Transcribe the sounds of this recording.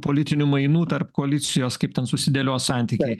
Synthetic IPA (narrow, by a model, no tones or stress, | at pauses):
poːlʲɪt̪ʲɪnʲʊmɐɪnuːt̪ɐrpkoɐlʲɪt̪sʲɪjoːskɐɪp̚t̪ʲɛnsʊsʲɪd̪ʲɛlʲoːssɑnʲt̪ʲikʲɛɪ